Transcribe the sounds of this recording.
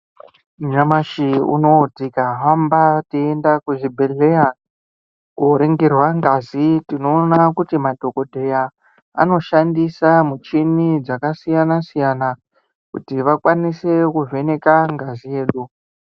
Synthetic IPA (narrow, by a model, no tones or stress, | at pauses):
uɲamaʃiṵnotikaɦambatiendakuʐibʱe̞ɮe̞ja | kuɾeŋɡerwaŋɡazitino̞ːnakutimadʱo̞ko̞dʱe̞ja | a̰no̞ʃandisamut͡ʃinid͡zakasijanasijana | kṵtiʋakwanise̞kuve̞ne̞kaŋɡazije̞ːɗu